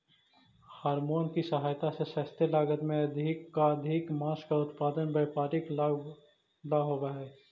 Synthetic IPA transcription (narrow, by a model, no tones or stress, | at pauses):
haːɾmoːnkisɐɦaːjt̪asesɐːst̪ʰelaːɡət̪mẽɐd̪ʱkːaɐd̪ʱɪkmãːskaʊt̪paːd̪ənbɐjpaːɾɪk | laːɦoːʋaɦɛː